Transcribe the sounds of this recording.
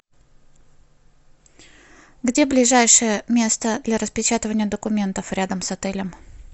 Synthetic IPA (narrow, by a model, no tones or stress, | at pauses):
ɡdʲe̞blʲɪʐajʂɨjəmʲe̞st̪əd̪lʲɐɾəspʲɪt͡ɕat̪əvənʲɪjəd̪əkʊmʲe̞nt̪əfɾʲad̪əmsɐt̪ɛlʲɪm